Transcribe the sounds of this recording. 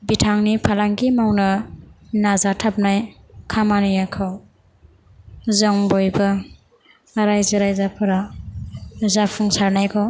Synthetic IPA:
bitʰaŋnipʰalaŋɡimawnɐnazatʰap̚najkʰamanijakʰaw | zaŋbojbɐ | ɾajzaɾajzapʰɯɾa | zapʰuŋsaɾnajkʰaw

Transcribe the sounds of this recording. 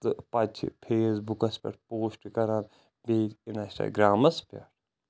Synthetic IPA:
t̪ɨpɐt͡ʃʰḭpʰeːsbukɐspʲɐ̰ʈpoːsʈkɐɾaːn | beːtinɐsʈa̰ɡɾaːmɐspʲɐ̰ʈ

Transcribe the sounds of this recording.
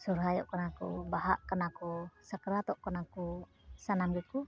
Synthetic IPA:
suɾɦajɔʔkɔnakṵbaɦaʔkənakusəkəɾat̪ɔʔkɔnaku | sanamɡiku

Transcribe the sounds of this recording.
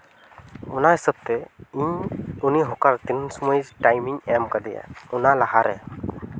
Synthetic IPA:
unaɦisəb̚t̪ɛiɲuniɦɔkaɾt̪insumɔjʈajmiŋɛmkad̪ija̰unalaɦaɾɛ

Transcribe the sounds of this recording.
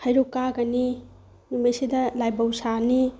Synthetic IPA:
hajɾukaɡɐni | numajsidɐlajbawsani

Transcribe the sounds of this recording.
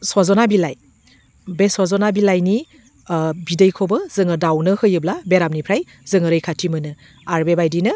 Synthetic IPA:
swazɔnabilaj | beswazɔnabilajni | bidɯjkʰobɯzɯŋɯdawnɯhɯjɯblabeɾam̚nipʰɾaj | zɯŋɯɾɯjkʰatʰimɯnɯ | aɾbebajdinɯ

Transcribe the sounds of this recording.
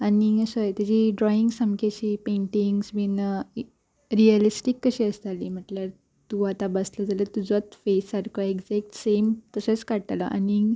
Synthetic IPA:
aniəsəjt̪ad͡ʑiɖɾɔiŋɡsəmkat͡ɕiːpeɳʈiŋɡsminə | ɾiəlisʈikːəɕiːəst̪aliːm̤əʈləɾ | t̪uat̪abəsləd͡zalət̪ud͡zɔt̪fesaɾkʰoeɡd͡zɛk̚ʈsemt̪əsət͡skaɽt̪alə̰ʔa̰ni

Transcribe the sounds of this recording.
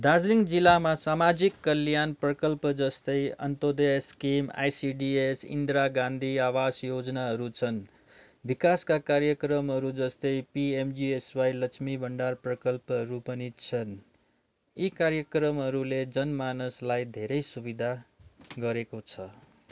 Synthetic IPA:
d̪ad͡zliŋɡd͡zilːamasamad͡zikːʌljanprʌkʌlpʌd͡zʌst̪ʌjʌ̰nt̪od̪eskima̰jsiɖiesḭnd̪ɾaɡãnd̪ʱiawasjod͡znaɦʌɾut͡sʰʌn | bikaskakaɾjʌkrʌmɦʌɾud͡zʌst̪ʌjpiemd͡ʒieswajlʌkt͡ʃʰmibʱʌɳɖarprʌkʌlpʌɦʌɾupʌnit͡sʰʌn | ikaɾjʌkrʌmɦʌɾuled͡zʌnmanʌslajd̪ʱeɾʌjsubid̪ʱaɡʌɾekot͡sʰʌ

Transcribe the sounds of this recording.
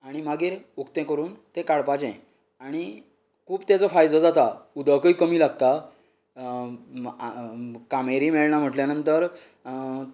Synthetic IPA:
aɽ̃imaɡiːɾukt̪ẽkəɾuːnt̪ẽkaɽpat͡ɕɛ̰̃ | aɽ̃i | kʰuːbt̪jat͡sɔfajd͡zəd͡zat̪aud̪əkəikəmiːlaɡt̪a | kameɾiːmeɭɳam̤əʈljanənt̪əɾ

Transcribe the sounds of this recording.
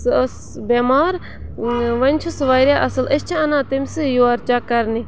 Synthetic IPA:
s | bemaːɾ | ʋɐnʲt͡ʃʰusʋaːjɾjaːʔɐsɨlɐst͡ʃʰiɐnãːt̪imʲsɨjuaɾt͡ʃakɐɾni

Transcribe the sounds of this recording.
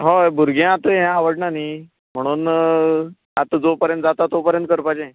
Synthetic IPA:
ɦobʱuɾɡẽat̪əɦãaʋəɽnaniː | m̤əɽ̃uːn | at̪əd͡zopəɾjənt̪̚d͡zat̪at̪opəɾjənt̪kəɾpaẽ

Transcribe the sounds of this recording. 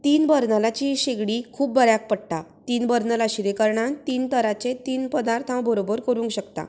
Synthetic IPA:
t̪iːnbəɾnəlat͡ɕiɕeɡɽikʰuːpbəɾjak̚pəɽʈ̪at̪iːnbəɾnəlaɕiɾekəɾɳãt̪iːnt̪əɾat͡set̪iːnpəd̪aɾt̪ʰãwbʱəɾobəɾkəɾũːŋkɕəkt̪a̰

